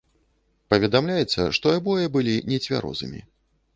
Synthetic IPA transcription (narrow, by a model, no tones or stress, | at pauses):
pɐvʲɛd̪amlʲajɛt̪sːɐ̰ʂt̪ɔabɔjɐbɨlʲinʲɛt͡sʲvʲa̰ɾɔ̰zɨ̰mʲḭ